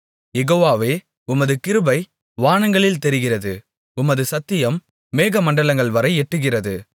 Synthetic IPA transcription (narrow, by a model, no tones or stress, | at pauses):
jɛɣoːʋaːʋeː | ʊmɐðɯkɪɾɯbɐɪ | ʋaːɳɐŋɡɐɭɪlt̪ɛɾɪɣɪrɐðɯ | ʊmɐðɯsɐt̪ːɪjɐmː | eːɣɐmɐɳɖɐɭɐŋɡɐɭʋɐɾɐɪɛʈːɯɣɪrɐðɯ